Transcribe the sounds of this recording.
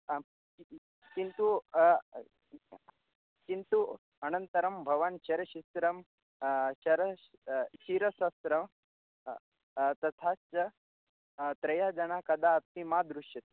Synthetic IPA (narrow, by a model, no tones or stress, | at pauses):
i | kint̪u | kint̪u | ɐnənt̪ɐɾɐmbʱɐʋanɕɐɾɐɕisɾɐm | ɕɐɾɐ | ɕiɾɐsɐsɾɐm | t̪ɐt̪ʰat͡sɐ | t̪ɾɐjad͡ʒɐɳakɐd̪aɐt̪mimad̪ɾuʂjɐt̪